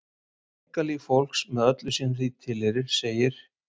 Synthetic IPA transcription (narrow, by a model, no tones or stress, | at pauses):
kaliɣfowl̥ksmɛðœt̪lʏsɛnrit̪ʰːɪlheɾɪɾ̥seːjɪɾ̥